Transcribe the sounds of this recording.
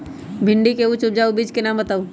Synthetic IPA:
bʱɪ̃ɳɖikeut͡ʃʊp̚d͡ʒaːubiːd͡ʒkenaːmbət̪aːũː

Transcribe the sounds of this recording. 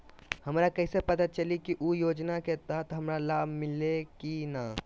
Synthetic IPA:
həmɾakəɪsepət̪at̪̚t͡ʃəlikiʔujoːd͡ʒnaket̪at̪ɦəmɾalabʱmɪlekina

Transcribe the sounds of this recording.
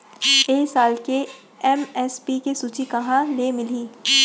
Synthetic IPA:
eːsaːlke | ɛmɛːspikesuːt͡ʃikɐɦãnemɪliː

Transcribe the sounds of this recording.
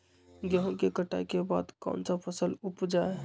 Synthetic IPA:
ɡjəɦõkekəʈa̰jkeba̰ːd̪kã̰nsapʰəsəlupd͡ʒae

